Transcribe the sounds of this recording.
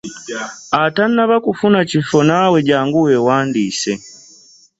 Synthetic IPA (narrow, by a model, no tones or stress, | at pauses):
atanːaβakufunat͡ʃifɔnawɛɟaːŋɡuwɛwaːndisɛ